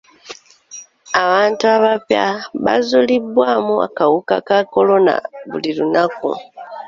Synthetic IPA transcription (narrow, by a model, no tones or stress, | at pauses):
aβaːntuaβapjaβa̰zulibwaːmua̰kawukakako̞lo̞na̰βulilunakṵ